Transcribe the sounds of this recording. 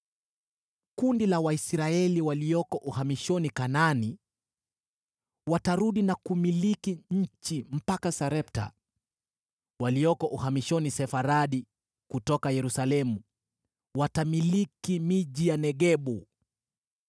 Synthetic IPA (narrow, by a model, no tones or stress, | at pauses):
kundilawaisɾaɛliwaliɔkɔʔuhamiʃɔnikanani | wataɾuɗinakumilikiɲ̩t͡ʃim̩pakasaɾɛp̚ta̰ | waliɔkɔʔuhamiʃɔnisɛfaɾaɗi | kutɔkajɛɾusalɛmu | watamilikimiʄijanɛɠɛɓu